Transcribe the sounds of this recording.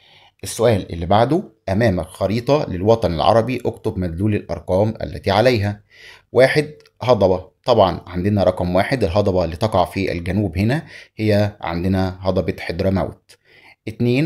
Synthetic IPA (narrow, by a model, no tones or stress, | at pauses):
ʔesːʊʔæːlʔḛlːibaʕd̪oʔæmæːmælxɑɾiːt̪ˤɑlelwɑt̪ˤɑnɪlʕɑ̰ɾˤɑbiʔokt̪obmæd̪luːlelʔɑ̰ɾˤqɑːmʔæ̰lːæ̰t̪iʕalæjɦæ | waːħed̪ | hɑd̪ˤɑbɑt̪ˤɑbʕɑnʕand̪enæɾˤɑqɑmwaːħed̪ɪlɦɑd̪ˤɑbɑlːiːt̪ɑqɑʕfiʔæ̰lɡænuːbhenæhejːæʕa̰nd̪enæɦɑd̪ˤɑbet̪ħed̪ɾˤɑmæ̰wt̪ | ʔɪt̪neːn